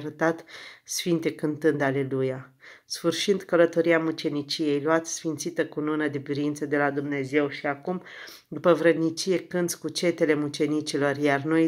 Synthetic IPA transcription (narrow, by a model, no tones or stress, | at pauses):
ɾət̪at̪sfint̪e̞kɨnt̪ɨnd̪ale̞lujasfɨrʃind̪kələt̪o̞ɾiamut͡ʃe̞nit͡ʃije̞jloat̪sfint̪sit̪əkununəd̪ebiɾint̪səd̪e̞lad̪umne̞ze̞wʃiakum | d̪upəvɾəd̪nit͡ʃije̞kɨnt̪sʲkut͡ʃe̞t̪e̞le̞mut͡ʃe̞nit͡ʃilo̞rjarno̞j